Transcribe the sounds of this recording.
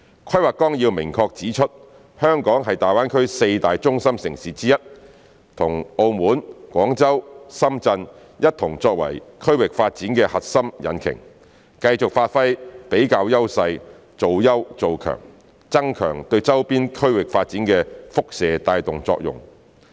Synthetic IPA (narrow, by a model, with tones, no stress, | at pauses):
kʰɐ˥jwaː˨˩kɔː˥ŋjiː˧wmɪ˨˩ŋkʰɔː˧k̚t͡siː˨˥t͡ʃʰɵ˥t̚ | hœː˥ŋkɔː˨˥ŋɦɐ˨jt̪aː˨jwaː˥nkʰɵ˥ɥse˧jt̪aː˨jt͡ʃʊ˥ŋsɐ˥msɪ˨˩ŋsiː˨˥t͡siː˥jɐ˥t̚ | t̪ʰʊ˨˩ŋo˧wmuː˨˥nkʷɔː˨˥ŋt͡sɐ˥wsɐ˥mt͡sɐ˧n | jɐ˥t̚t̪ʰʊ˨˩ŋt͡sɔː˧k̚wɐ̰˨˩jkʰɵ˥ɥwɪ˨k̚faː˧t̚t͡siː˨˥nkɛː˧hɐ˨t̚sɐ˥mjɐ̰˨˧nkʰɪ̰˨˩ŋ | kɐ˧jt͡sʊ˨k̚faː˧t̚fɐ˥jpe˨˥jkaː˧wjɐ˥wsɐ˧j | t͡so˨wjɐ˥wt͡so˨wkʰœ̰ː˨˩ŋ | t͡sɐ˥ŋkʰœ̰ː˨˩ŋt̪ɵ˧ɥt͡sɐ˥wpiː˥nkʰɵ˥ɥwɪ˨k̚faː˧t̚t͡siː˨˥nkɛː˧fʊ˥k̚sɛː˨t̪aː˧jt̪ʊ˨ŋt͡sɔ̰ː˧k̚jʊ̰˨˩ŋ